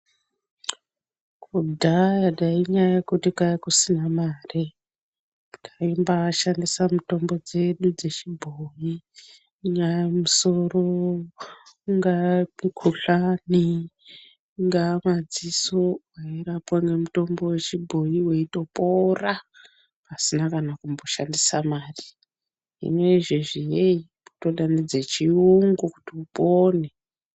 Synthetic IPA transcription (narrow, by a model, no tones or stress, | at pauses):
kudʱajaɗaiɲajaekutikaakusinamaːri | tʰaimbaʃandisamuto̞mbo̞d͡ze̞ɗud͡ze̞t͡ʃibʱoji | ɲajamuso̞ro̞ | ŋɡamikʰuɬani | ŋɡamad͡ziso̞waiɾapwaŋe̞muto̞mbo̞we̞t͡ʃibʱo̞jiwe̞ito̞po̞ra | pasinakanakumbo̞ʃandisamaːri | ḭme̞iʐeʐijei | puto̞ɗanid͡zet͡ʃiuŋɡuku̥tiupone